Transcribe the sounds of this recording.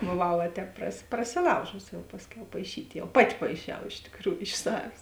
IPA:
boːˈʋɐʊ ʋɐ ˈtʲɛːp prɐsʲɪ prɐsʲɪˈlˠɐʊʒʊsʲɪ ˈjɛʊ ˈpɑːsʲˌkʲɛʊ pɐɪˈʃʲiːtʲ ˈjɛʊ ˈpɑːˌtʲɪ pɐɪˈʃʲɛʊ ɪʃ tʲɪkˈruːjʊ ɪʃ ˈsɑːʋʲeːs

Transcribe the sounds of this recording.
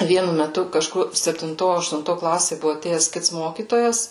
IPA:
ˈʋʲiɛnʊ mʲɛˈtʊ kɐˈʃkʊr sʲɛpʲtʲɪnˈtoː ɐʃtʊnˈtoː ˈklˠɑːsʲeː ˈbʊʋʊ ɐˈtʲeːjɛs ˈkʲɪts ˈmoːkʲiːtoːjɛs

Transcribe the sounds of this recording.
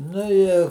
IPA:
ˈnʊ ɪ

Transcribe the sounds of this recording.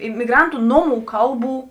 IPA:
ɪmʲɪˈɡrɐntʊ ˈnoːˌmuː ˈkɐlˠˌbuː

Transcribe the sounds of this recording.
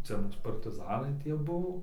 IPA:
ˈt͡sʲɛ ˈmuːs pɐrʲtʲɪˈzɑːnɐɪ ˈtʲiɛ ˈbʊʋoː

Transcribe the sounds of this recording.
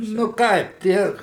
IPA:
nʊ ˈkɐɪp ˈtʲiɛ

